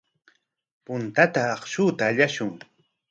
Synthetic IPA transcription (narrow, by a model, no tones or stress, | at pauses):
pʊnt̪at̪aːχʃʊːt̪aːʎaʃʊŋ